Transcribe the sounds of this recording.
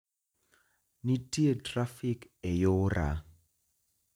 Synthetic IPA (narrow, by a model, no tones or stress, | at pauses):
nitietrafikɛjoʊra̰